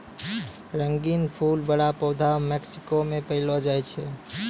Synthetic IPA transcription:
ɾəŋɡinpʰulbəɽapəwd̪ʱameksi̥komepəɦɪlɔd͡ʒajt͡ʃʰɛ

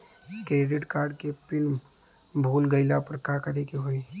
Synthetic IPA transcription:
kɾeːɖɪʈkaːɾɖkepɪn | bʱuːlɡɐɪlapɐɾkaːkɐɾekeɦoːi

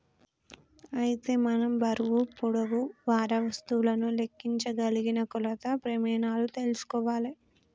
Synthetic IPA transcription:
ɐjit̪e̞ːmɐnɐmbɐɾuʋupuɽɐʋuʋaːɾɐʋɐst̪ulɐnule̞kːiɲt͡ʃɐɡɐliɡinɐkulɐt̪ɐpɾemɛːnaːlut̪e̞lusu̥kɔːʋaːli

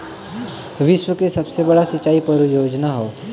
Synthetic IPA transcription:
ʋiʃʋəkesəbsebəɽasit͡ʃːaipəɾujoːd͡ʒnaɦoː

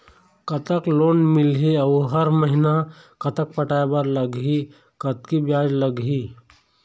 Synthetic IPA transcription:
kɐt̪əkloːnmɪlɦeɐʊɦɐɾməɦɪna | kɐt̪ək̚pɐʈaːebɐɾlɐɡɦi | kɐt̪kibjaːd͡ʒləɡɦiː

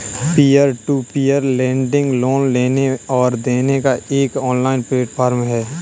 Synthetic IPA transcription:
piːəɾʈuːpijəɾlɛ̃ːɳɖɪ̃ŋɡloːnleːneɔːɾd̪eːnekaeːkɔːnlaːɪnpɾeːʈpʰaːɾmɦɛː

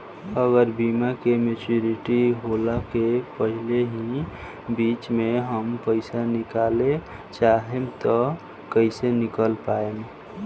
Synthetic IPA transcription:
əɡəɾbimakemet͡ʃuɾiʈiɦolakepəɦileɦi | bit͡ʃmeɦəmpəɪsanɪkale | t͡ʃaɦemt̪ɔ | kəɪsenɪkəlpaem

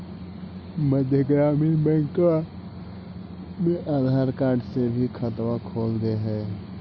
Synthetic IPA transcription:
məd̪ʱjəɡɾaːmiːnbɛ̃ŋka | mẽʔad̪ʱaːɾkaːɾɖsebʱikʰət̪wakʰoːld̪eɦɛː

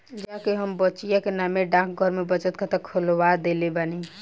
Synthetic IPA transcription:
d͡ʒakeɦəmbət͡ʃijakenameɖãk̚ʰɡʱəɾmebət͡ʃət̪̚kʰət̪əkʰəlwad̪elebani

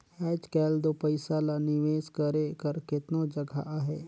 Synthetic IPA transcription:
hɛːd͡ʒkɛːld̪opəɪsalanɪʋeːskəɾekəɾkɪt̪nod͡ʒəɡʱa̰ʔaɦɛː

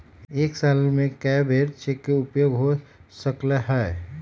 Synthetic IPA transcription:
eːksalmẽkɛbʱeɾt͡ʃʰekeʊpjoɡɦosəkleɦɛe

